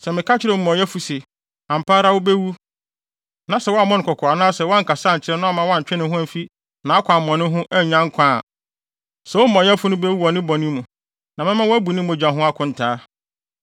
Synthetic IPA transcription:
sɛ˨mɪ̃˨kʰa˦t͡ɕʰɪ˦ɾɛ˨˦˨mɔ̃˨jɛ˦fu˨sɪ˨ | ã˨m̩˨paː˦ɾa˦wʊ˦be˦wu˦ | nã˨sɛ˨wɔ˦a˦˨mːɔ̃˦ñ˨kɔ˨kʰɔ˨a˨nʊ̃˦a˦sɛ˨wɔ˦ã˦ŋ̩˨ka˨saː˦˨ɲ̩˨t͡ɕʰɪ˨ɾɛ˦nʊ̃˦a˨mã˦wɔ˦ã˦ɲ̩˨t͡ɕᶣɛ˦nɪ̃˦hʊ̃˦æ˨fi˦ | nã˨a˦kʷʰã˨mɔ̃˨nʊ̃˦ɦʊ̃˦ʔɛ˦ɲᶣã˦ŋ̩˦kʰã˦˨ | sɛ˨wʊ˦m̩˦mɔ̃˨jɛ˦fʊ˦nʊ̃˦be˦wu˦ɔ˨nɪ̃˦bɔ˨nɪ̃˦mũ˨ | nã˨mɪ̃˦mã˦wæ˦bu˨nɪ̃˦mõ˨d͡ʑᶣã˨ɦʊ̃˦a˦kʰʊ̃˦n̩˨tʰaː˦

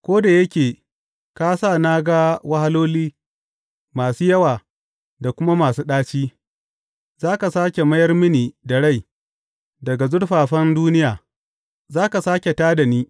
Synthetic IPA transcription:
kʷoː˦da˨jɐ˦kʲeː˨ | ka˦saː˦˨na˦ɡa˦wɐ˦ha˦loː˦liː˦ | maː˨suː˦jɐ˦waː˨ | da˨kʷʊ˦ma˦maː˨suː˦ɗaː˦t͡ʃiː˦ | zaː˦ka˨saː˦kʲe˨mɐ˦jɐ˦rmɪ˦niː˨da˨ɽa˦˨j | dɐ˨ɡa˨zʊ˦ɽɸaː˨ɸɐ˦nduː˦nɪ˦jaː˨ | zaː˦ka˨saː˦kʲe˨taː˦da˨niː˦

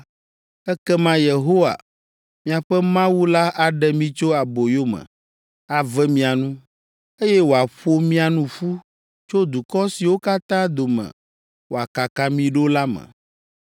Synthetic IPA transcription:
ɛ˦kɛ˦mã˦je˨ɦo˦wa̰˨ | mĩ˦a˨ɸɛ˦mã˦wu˦la˦ʔa˨ɖɛ˨mĩ˦t͡ʃo˦a˨bo˨jo˦mɛ̰̃˨ | a˨vɛ˦mĩ˦a˨nũ˦ | e˦jɛ˦wo˨a˨ɸo˦mĩ˦a˨nũ˦ɸu˦ | t͡ʃo˦d̪u˨kɔ˦si˨wo˦ka˦t̪ã˦d̪o˨mɛ̰̃˨ | wo˨a˨ka˨ka˨mĩ˨ɖo˦la˦mɛ̰̃˨

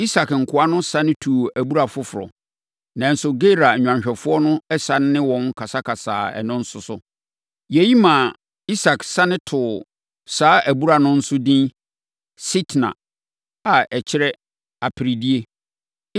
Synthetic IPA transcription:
i˦sa˨kŋ̩˨kʰʊ˨˦a˦nʊ̃˦sã˦nɪ̃˦tʰu˨æ˨bu˦ɾa˨fʊ˦fʊ˨ɾɔ̰˨ | nã˨n̩˦sʊ˦ɡe˦ɾa˨ɲᶣ˨ã˨ɲɕᶣɛ˨fʊ˦ɔ˦nʊ̃˦ɛ˦sã˦nː˦ɪ̃˦wɔ̃˨ŋ˦kʰa˨sa˦kʰa˨sa̰ː˨ɛ̰˨nʊ̃˦n̩˦sʊ˦sʊ˦ | je˨ji˦mã˨ | i˦sa˨ksã˦nɪ̃˦tʰʊ˨ | saː˦ʔæ˨bu˦ɾa˨nʊ̃˦n̩˦sʊ˦dĩ˦n | si˦tʰnã̰˨ | a˨ʔɛ˨t͡ɕʰɪ˦ɾɛ˦ | a˨pʰɪ˨ɾi˨di˦e˦

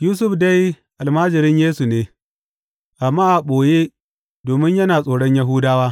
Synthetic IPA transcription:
juː˦s̬ʊ˦ɸda˦j | ʔa˨lmaː˦d͡ʒɪ˨ɾɪ˦ɲjeː˦su˨neː˦ | ʔa˨mːaː˦ʔa˨ɓoː˨je˦ | doː˨mɪ˦ɲjɐ˦naː˨sʼoː˨ɽɔ˦ɲja˨ɦuː˦daː˦waː˦

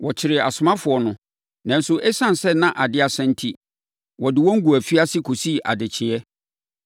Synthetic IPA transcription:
wɔ˨t͡ɕʰɪ˨ɾɪ˨ɛ˨a˨sʊ˨mã˦fʊ˨ɔ˨nʊ̃˨ | nã˨n̩˦sʊ˦ʔɛ˦sã˦n˨sɛ˦nã˦ʔa˨dɪ˦a˨sɛ̃˦n̩˦tʰi˦ | wɔ˨dɪ˨wɔ̃˦ŋ̩˦ɡu˨æ˨fi˦a˦sɪ˦kʰo˨si˦˨ʔa̰˨dɪ˨t͡ɕʰɪ˨ɛ˦

